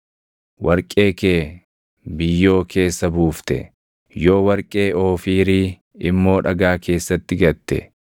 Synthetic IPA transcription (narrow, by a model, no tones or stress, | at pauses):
wɐɾkʼe̞ːkeː | bɪjːo̞ːkʰe̞ːsːɐbuːft̪ɛ̰ | jo̞ːwɐɾkʼe̞ːo̞ːfiːɾiː | ɪmːo̞ːᶑɐɡaːkʰe̞ːsːɐt̪ːɪɡɐt̪ːɛ̰